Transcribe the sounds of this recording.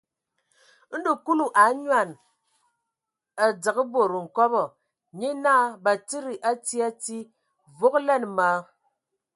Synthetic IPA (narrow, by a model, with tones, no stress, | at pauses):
n̩˦du˨ku˦lu˦˨ʔa˨˦ɲwa˨n | a˨d͡zə˨kɨ˦bo˨ɾu˨ŋ̩˨kɔ˦bɔ˨ | ɲe˦naː˦ba˨ti˦ɾi˨ʔa˦ti˦a˦ti˦ | vo˦klɛ˦˨n˨ma˨˦